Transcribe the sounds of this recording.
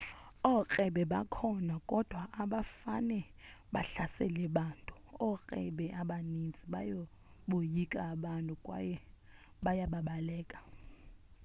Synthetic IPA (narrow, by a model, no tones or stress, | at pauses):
ɔkʼɛɓɛɓakʰɔnakʼɔd̥ʱwaʔaɓafa̰nɛ | ɓa̰ɬasɛ̰lɛɓaːntʼuɔk͡xʼɛɓɛʔaɓanint͡sʼiɓajo | ɓojikʼaːɓantʼukʼwajɛ | ɓajaɓaɓalɛːkʼḁ